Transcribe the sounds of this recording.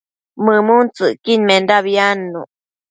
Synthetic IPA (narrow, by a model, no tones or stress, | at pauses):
məmunt͡sɨʔkiɲmendaβjanːu